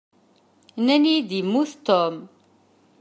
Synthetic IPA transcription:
nænid̪imuθt̪ɔm

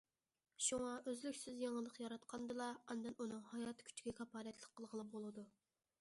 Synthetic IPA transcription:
ʃuŋɑʔøzlykʲsɪzjeŋəlˠəqjɑɾɑt̪qʰɑnd̪ɨlˠɑɑnd̪ɛnunɨŋhɑjɑːt̪ʰkʲʰy̥t͡ʃʰɡʲɛkʲʰɑpʰɑːlɛt̪ʰlˠəq̚ʰːəlˠʁəlˠɨp̚bolˠɨd̪u

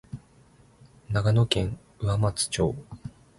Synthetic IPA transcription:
naɡano̞kẽ̞ŋ | ɯ̟amat͡sɨ̥t͡ɕo̞̰ː

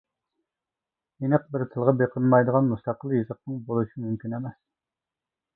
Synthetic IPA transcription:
jenəqbɪɾt̪ʰəlˠʁɑbeqʰənmɑjd̪əʁɑnmust̪ʰɑqəlˠjizəq̚nɨŋbolˠuʃimymkʲynɛmɛs

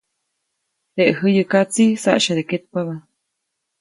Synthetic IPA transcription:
t̪eʔɦəjəkat͡sisa̰ʔʃad̪eket̪̚paβa

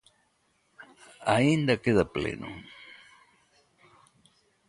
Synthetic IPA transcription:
aind̪akeðaplḛnʔʊ̰

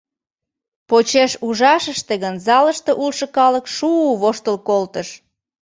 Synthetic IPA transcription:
pot͡ɕeʃuʒɑʃəʃt̪eɣənzɑləʃt̪eʔulʃə̆kɑləkʃuβoʃt̪əlkolt̪əʃ

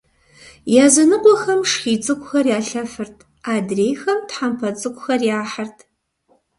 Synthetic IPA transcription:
jaːzɨnɨqʷʼɔxɐmʂxiːt͡sʼɨkʷʼʊxɐrjaːɬɐfɨrtʰ | aːdreːjxɐmtħampʰɐt͡sʼɨkʷʊxɐrjaːħɐrtʰ

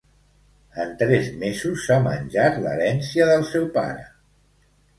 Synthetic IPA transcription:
ənt̪ɾɛzmezusːamə̰nʲʒat̪lə̰ɾɛnsiəðəlˠsɛwpa̰ɾə̰

